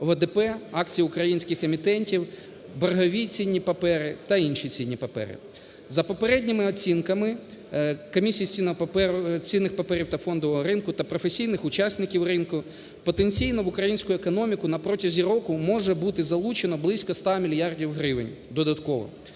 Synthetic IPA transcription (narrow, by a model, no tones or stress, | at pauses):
ʋed̪ɛpɛɑkt͡sʲijiʊkɾɐjinʲsʲkɪxemʲit̪ɛnʲtʲiw | berɦɔʋʲit͡sʲinʲːipɐpɛɾɪt̪ɐinʃit͡sʲinʲːipɐpɛ̰ɾɪ̰ | zɐpɔpeɾɛdʲnʲimɪɔt͡sʲinkɐmɪ | kɔmʲisʲijisʲinɛt͡sʲinːɪxpɐpɛɾʲiwt̪ɐfɔnd̪ɔʋɔɦɔɾɪnkʊt̪ɐpɾɔfesʲijnɪxʊt͡ʃɑsʲnɪkʲiwrɪnkʊ | pɔt̪enʲt͡sʲijnɔʋʊkɾɐjinʲsʲkʊjʊekɔnɔmʲikʊnɐpɾɔtʲɐzʲiɾɔkʊmɔʒɛbut̪ɪzɐlˠut͡ʃenɔblˠɪsʲkɔst̪ɑmʲilʲjɑrdʲiwɦɾɪʋɪ̰nʲ | d̪ɔd̪ɐt̪kɔʋɔ̰